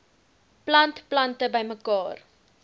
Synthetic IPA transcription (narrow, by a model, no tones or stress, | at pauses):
plɐntplɐntəbəjməkɑːr